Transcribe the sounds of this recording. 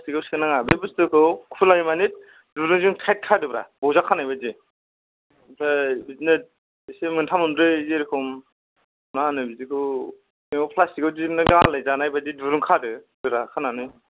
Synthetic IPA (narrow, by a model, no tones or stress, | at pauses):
pʰastiɡɯwsɯnaŋabɯbɯstɯkʰɯwkʰulajmanit̚ | duɾuŋzɯŋtʰajt̚kʰadɯbɾa̰bɔwzakʰːanajbadi | tʰabiznɯ | isemɯntʰamɯmɾɯzeɾikʰɯm | nanɯbizikʰɯ | iŋawpʰlastiɡɯwdinɯɡalajzanajbadiduɾuŋkʰadɯdɯɾakʰananɯ